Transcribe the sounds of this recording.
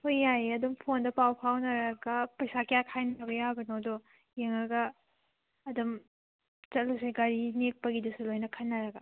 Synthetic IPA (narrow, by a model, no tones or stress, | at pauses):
hojːajɐdumpʰondɐpawpʰawnɐɾɐɡɐpɐjsakijakʰajnɐɡɐjabɐnowdo | jeŋɐɡɐː | dɐm | t͡ʃɐt̚luseɡaɾinek̚pɐɡidɐsulojnɐkʰɐnːɐɾɐɡɐ